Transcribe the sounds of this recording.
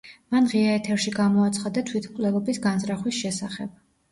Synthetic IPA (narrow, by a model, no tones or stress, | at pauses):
manʁiaɛt̪ʰɛɾʃiɡamɔat̪sʰχad̪at̪ʰwit̪ʰmkʼlɛlˠɔbisɡanzɾaχwisʃɛsaχɛ̰b̥̚